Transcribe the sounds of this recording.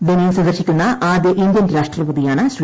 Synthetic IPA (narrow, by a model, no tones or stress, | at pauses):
ʋenijsɐnd̪ɐɾɕikʲːunːɐʔaːd̪jɐʔind̪jɐnɾaːʂʈrɐpuðijaːɳɨɕʋ